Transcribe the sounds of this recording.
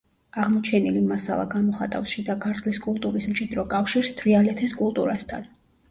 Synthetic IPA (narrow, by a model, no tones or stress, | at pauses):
aʁmɔt͡ʃʰɛnilimasa̰lˠa̰ɡamɔχa̰t̪ʼa̰fsʃid̪akʰaɾt̪ʰliskʼulˠt̪ʼuɾismt͡ʃʼid̪ɾɔkʼafʃiɾst̪ʰɾialɛt̪ʰɛskʼulˠt̪ʼuɾast̪ʰa̰n